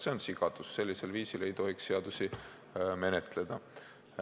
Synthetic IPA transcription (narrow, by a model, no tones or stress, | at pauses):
se̞o̞nsiɡ̥ɑd̪̥usse̞lʲːise̞lviːsile̞jt̪o̞ɦiksːeɑd̪usi | me̞net̪ˑle̞d̪̥ɑ